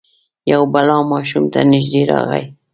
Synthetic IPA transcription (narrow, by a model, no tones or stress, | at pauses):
jawbalɑmɑʃumt̪anɪʒd̪eɾɑ̰ɣa̰j